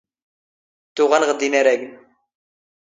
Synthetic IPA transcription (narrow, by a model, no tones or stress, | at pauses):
t̪ʊʁænʁəd̪inæɾæɡən